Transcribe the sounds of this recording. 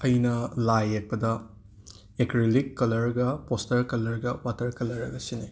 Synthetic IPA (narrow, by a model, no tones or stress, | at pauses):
ɐjnɐlajek̚pɐdɐ | ekɾilikːɐlɐɾɡɐpostɐɾkɐlɐɾɡɐwatɐɾkɐlːɐɾɐɡɐsine